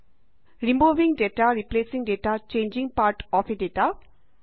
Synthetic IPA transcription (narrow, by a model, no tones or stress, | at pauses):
ɾimuvĩŋɖetaɾiplesĩŋdetat͡ʃẽnd͡ʒĩŋpaɾʈɔfedeta